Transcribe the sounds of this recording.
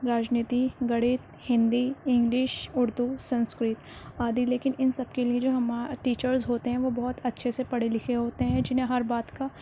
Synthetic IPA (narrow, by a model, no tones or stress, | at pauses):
ɾaːd͡ʒniːt̪iɡɐɽɪːt̪ | hɪ̃nd̪iɪ̃ŋɡlɪʃʊɾd̪usɐ̃nskɾɪt̪aːd̪ileːkɪnɪnsɐbkelied͡ʒoːɦɐmaʈiːt͡ʃəɾzɦoːt̪eɦɛ̃ʋobɐɦʊt̪ɐtːʃʰesepɐɽelɪkʰeɦoːt̪eɦɛ̃d͡ʒɪnɦẽɦɐɾbaːd̪ka